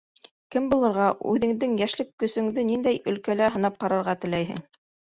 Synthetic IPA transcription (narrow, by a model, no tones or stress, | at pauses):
kɘmbulˠɤ̆ɾʁɑʉ̰ðɘ̆ŋd̪ɘŋjæʃlɘkːɵ̆sɵ̆ŋd̪ɘnind̪æjɵ̆lkælæɦɤ̆nɑp̚qɑɾɑɾʁɑt̪ɘ̆læjɦɘ̰ŋ